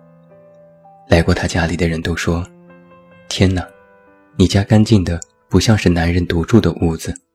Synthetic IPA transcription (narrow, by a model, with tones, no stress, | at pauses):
la˧˥ɪkwɔ˥˩t̪ʰa˥t͡ɕja˥li˨˩d̪ə˦ɻə˧˥nt̪o˥ʊʂwɔ˥ | t̪ʰjɛ˥nna˨˩ | ni˨˩t͡ɕja˥ka˥nt͡ɕi˥˩nd̪ə˩ | pu˧˥ɕjɑ˥˧ŋʂɻ̩˥˩na˧˥nɻə˥˧˩nt̪u˧˥ʈ͡ʂu˥˩d̪ə˩ʔu˥˩d͡zɹ̩˩